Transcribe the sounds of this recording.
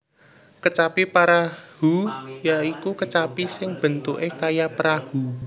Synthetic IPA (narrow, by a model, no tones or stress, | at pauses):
kət͡ʃapipaɾahujaikukət͡ʃapisɪŋb̥ə̤nt̪uʔekajapəɾahṳ